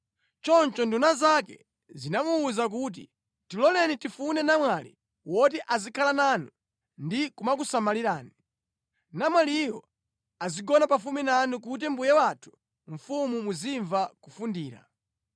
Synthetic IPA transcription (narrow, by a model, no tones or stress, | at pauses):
t͡ʃɔnt͡ʃɔndunazakɛ̰ | zinamuːzak̬ut̬ḭ | tilɔlɛnitifunɛnamwalḭ | wɔt̬iʔazikʰalananu | ndikumak̬usamaliɾaːni | namwalijɔ̰ | aziɡɔnapafuminanukut̬ɛmbujɛwatʰu̥ | ɱ̩fumumuziɱvakufundiːɾa̰